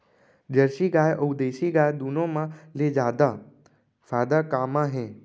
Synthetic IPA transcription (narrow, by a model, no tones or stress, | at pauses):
d͡ʒəɾʃiːɡaːjʔowd̪eːʃiɡaːjd̪uːnõmãleːd͡ʒaːd̪aː | faːd̪akaːmãɦẽː